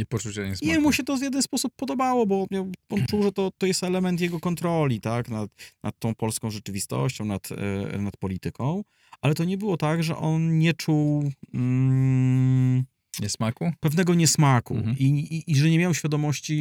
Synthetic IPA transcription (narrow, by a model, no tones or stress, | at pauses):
ɲɛpɔt͡ʂuwɕɛɲɛsɲɛmuɕɛt̪ɔvʲjɛd̪ɛnspɔsupːɔd̪ɔbawɔbɔmjawɔnt͡ʂuwʐɛt̪ɔt̪ɔjɛst̪ɛlɛmɛnt̪̬jɛɡɔkɔnt̪ɾɔlʲit̪aknat̪nʔa̰t̪ːɔ̃w̃pɔlskɔ̃w̃ʐɛt͡ʂɘvʲist̪ɔ̰ɕt͡ɕɔ̃w̃nat̪nat̪̚pɔlʲit̪ɘkɔ̃w̃ | ʔalɛt̪ɔɲɛbɘwɔt̪aɡʐɛ̰ʔɔnɲɛt͡ʂuw̩ | ɲɛsmakupɛvn̪ɛɡɔɲɛsmakṵiiʔːʐɛɲɛmʲjawɕfʲjad̪ɔmɔɕt͡ɕi